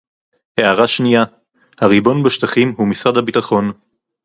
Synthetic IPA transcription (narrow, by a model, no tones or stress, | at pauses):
heaʁaʃnija | haʁibo̞nbeʃt̪aχimɦumisʁadhabitaχo̞n